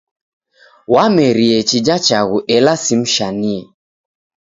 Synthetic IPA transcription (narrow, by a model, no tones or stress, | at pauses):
wamɛɾiɛt͡ʃid͡ʒat͡ʃaɣuʔɛlasim̩ʃaniɛ